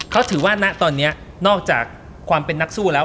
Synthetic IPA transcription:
kʰa˦˥wt̪ʰɯː˩˦waː˥˩na˦˥ʔt̪ɔː˧nːi˦˥ɐ | nɔː˥˩k̚t͡ɕaː˨˩kʰː | waː˧mpe˧nːa˦˥k̚suː˥˩lɛː˦˥

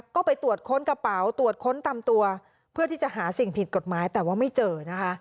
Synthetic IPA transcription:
kɔː˥˩pa˧jt̪u˨˩ət̪̚kʰo˦˥nka˧pa˩˦wt̪u˨˩ət̪̚kʰo˦˥nt̪a˧mt̪u˧ɐ | pʰɯ˥˩t̪ʰiː˥˩t͡ɕa˨˩ʔɦaː˩˦si˨˩ŋpʰi˨˩t̪̚ko˨˩t̪̚maː˩˦jt̪ɛː˨˩waː˥˩ma˥˩jt͡ɕɤː˧na˦˥kʰa˦˥ʔ

